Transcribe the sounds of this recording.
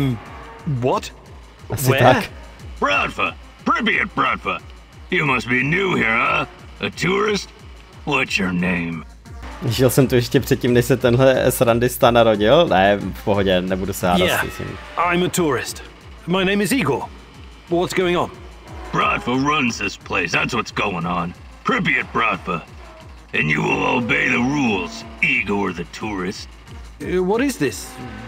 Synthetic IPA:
m | wɔt | ʔaswɪtɛak | b̥ɹɑd̥fə | pʰɹ̥ɪviɨt̚b̥ɹɑd̥fə | jɨmʌst̚b̥injuhiɹa | ʔɨtʰʊɹɪst̚ | wʌtsjə˞nẽɪ̃m | ʒɪlsɛmt̪ujɛʃcɛpr̝̥ɛt̪̚ciːmnɛʃsɛt̪ɛnɦlɛsɾandɪst̪anaɾoɟɪlnɛfpoɦoɟɛnɛbudusɛhaːdjdaæɪ̰sɛ̰ɲḭʔãɪ̃mətʰuɹɪst | maɪñẽɪ̃mɨziɡo | bʌt̚wʌtsɡ̥oʊɪ̃ŋə̃n | b̥ɹɑd̥fəɹʌ̃nzðɪspʰl̥eɪsðætswʌtsɡ̥oʊɪ̃ŋə̃n | pʰɹ̥ɪpiɨt̚b̥ɹɑdfə˞ | ɨ̃njɨwɪ̰lˠo̰ʊbeɪðəɹulˠz̥iɡoʊə˞ðɨtʰuɹɪst | wʌɾɪzðɪs

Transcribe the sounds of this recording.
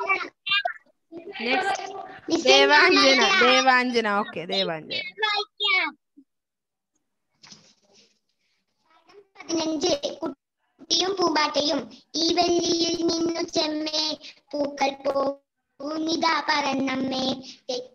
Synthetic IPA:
nesnisɛːʋaːɲd͡ʒɐnad̪eːʋaːɲd͡ʒɐnaoːkeːd̪eːʋaːɲd͡ʒɐnʋaːkja | ɐɽɐmpɐd̪inɐɲd͡ʒɯku | ʈːijumpuːbaːʈːɐjumiːʋelːijilninːut͡ʃemːeːpuːkɐlpoː | ʋunid̪aːpɐɾɐnːɐmːeːt̪e

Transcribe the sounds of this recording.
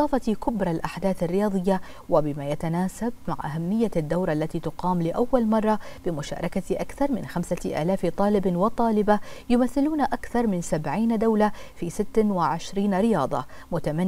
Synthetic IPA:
ɑːfɑt̪ikʊbɾˤɑlʔaħd̪aːθarːɪjɑːd̪ˤɨjːa | wɪbɪmaːjat̪anaːsab̚ma̰ʕʔaɦamːɪjːad̪ːawɾˤʔalːat̪iːt̪ʊqɑːmlɪʔawːalmɑrˤːɑb̥ɪmʊʃa̰ːɾˤɑkaʔakθɑɾˤmɪ̰nxamsaʔa̰ːlaːft̪ˤɑːlɪbwɪt̪ˤɑːlɪbajʊmaθːɪluːnaʔakθɑɾˤmɪnsabʕiːnd̪awlafiːsɪt̪ːawɪʕɪʃɾiːnɾɪjɑːd̪ˤɑ̰ | mʊt̪amanː

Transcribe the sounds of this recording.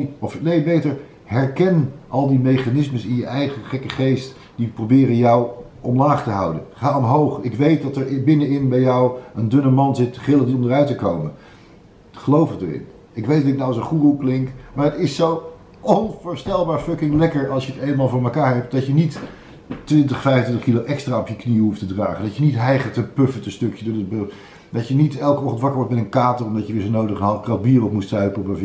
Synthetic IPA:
ɔfnejbejtəɹ | ɦɛɹkɛnʔɑlˠdimejχanɪsməsɪnjəʔɛjχəχɛkəχejst | d̥iprowbɪːrənjɔw | ɔmlaːχtəɦɑ̰wdə̰nχaːɔmɦowχɪkʋejt̚dɑtəɹbɪnənɪnbɛjɔwəndɵnəmɑnzɪtːəχɪləndiɔndərœɥtəkowmən | χəlowfədə̰ɹɪ̰n | ɪkʋejtdɑtɪk̚nawəsənχuruklɪŋkmaːɹətɪsow | ɔnvʊːɹstɛlˠbaːɹfœkɪŋlɛkəɹɑlˠsʃjəətejnəmaːlˠvʊːɹməkaːɹɦɛp̚t̚dɑtjənit | tʋɪntəχfɛjvəntʋɪntəχkiloʔɛkstraːɔpjəkniɦuftədraːχəndɑcjənitɦɛjχətəpøfəntəstɵkjəddəb | dɑjənitɛlˠkəɔχəntʋɑkəɹʋɔɹtmɛtənkaːtərɔmdɑcjəʋɪːɹzonowdəχənɦɑlˠfkrɑd̚biːrɔpmustœɥpəɔbəv

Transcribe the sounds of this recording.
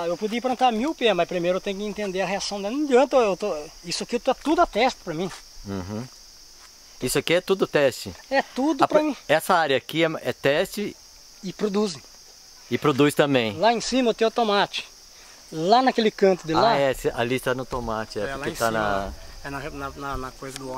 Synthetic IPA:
ewpod͡ʒ̪iipɾɐ̃nt̪aɾmiwpemɐspɾimejɾʊewt̪ẽjʊkɪẽnt̪ẽnd̪eɐɦeasɐ̃w̃d̪ɛlnũd͡ʒiɐ̃nt̪ewt̪oisʊakit̪oɛt̪ud̪ʊat̪ɛst̪ɪ̥pɾɐmĩ | ɦũ | isʊɐkiɛt̪ud̪ʊt̪ɛst͡ʃɪɛt̪ud̪ʊpɾɐmĩɛsɐaɾjɐkiɛɛt̪ɛst͡ʃɪ | ɪpɾod̪uzẽ | ɪpɾod̪ust̪ɐ̃bẽj̃laẽsĩmɐewt̪ẽʊt̪õmat͡ʃɪ̥ | lanɐkelɪkɐ̃nt̪ʊd̪ɪalaɛsɪʔɐlist̪anʊt̪omat͡ʃɪɛlaẽt̪nɐɛnɐnɐnɐnɐkojzɐd̪ʊɔ

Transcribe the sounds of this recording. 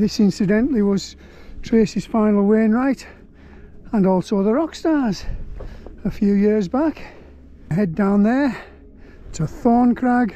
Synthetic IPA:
ðɪsɪ̃nsɨdɛ̃nʔliwʌz̥ | tʰɹ̥eɪsɨz̥fãɪ̃nl̩ˠwẽːnɹaɪt | ə̃nɔˑlˠsoʊðəɹɔkstɑɹz̥ | əfjʉːjɪɹzbak | ɦɛdãʊ̃nðə˞ | ɪtsəθɔːɹnkʰɹ̥aɡ

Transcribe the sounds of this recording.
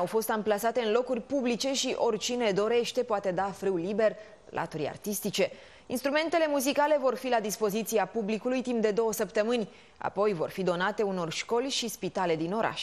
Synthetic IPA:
awfo̞st̪amplasat̪e̞ɨnlo̞kurʲpublit͡ʃe̞ʃiʔo̞rt͡ʃine̞d̪o̞ɾe̞ʃt̪e̞poat̪e̞d̪afɾɨwlibe̞r | lʔa̰t̪uɾʲa̰rt̪ist̪it͡ʃe̞ | inst̪ɾume̞nt̪e̞le̞muzikale̞vo̞rfilad̪ispo̞zit̪siapublikulujt̪imp̚d̪e̞d̪o̞wəsəpt̪əmɨnʲ | a̰po̞jvo̞̰rfid̪o̞nat̪e̞uno̞rʃko̞lʲʃispit̪ale̞d̪ino̞ɾʔa̰ʃ

